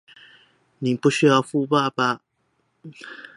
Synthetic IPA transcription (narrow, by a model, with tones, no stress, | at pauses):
ni˨˩pu˥˧ɕy˥jɑ˥˧ʊfu˥˧pa˥˧˩ba˨